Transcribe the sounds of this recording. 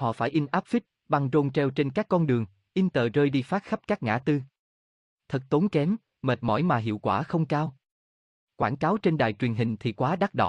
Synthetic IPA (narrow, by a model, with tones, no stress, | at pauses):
hɔ̰˧˨faː˧˩jʔi˧nʔaː˦˥p̚fi˦˥t̚ | ɓa˧ŋzo˧nt͡ɕɛ˧wt͡ɕe˧nkaː˦˥kːɔ˧nɗɨ˨˩əŋ | ʔi˧nt̪əː˨˩zəː˧jɗi˧faː˦˥t̚xa˦˥p̚kaː˦˥k̚ŋa̰ː˧˩t̪ɨ˧ | t̪ʰə˨˩k̚t̪o˨˦nkɛ˨˦m | məː˨˩t̚mɔ̰˧˩jmaː˨˩ɦḭ˧˨əwkwaː˧˩xə˧wŋ͡mkaː˧w | kwaː˧˩nkaː˨˦wt͡ɕe˧nɗa̰ː˨jt͡ɕwi˨˩ənɦï˨˩ŋ̟t̪ʰi˨˩kwaː˨˦ɗa˦˥t̚ɗɔ̰˧˨